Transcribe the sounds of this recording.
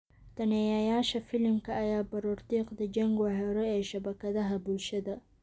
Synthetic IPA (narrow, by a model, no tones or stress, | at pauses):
t̪ʰɐnɛjɐjaːʃɐfɪlɪmkʰɐːjaːbɐɾuːrt̪iːqd̪ɐd͡ʒɐŋɡħɛɾɔɛːʃɐβɐkʰɐðɐɦɐbʊlʃɐðɐ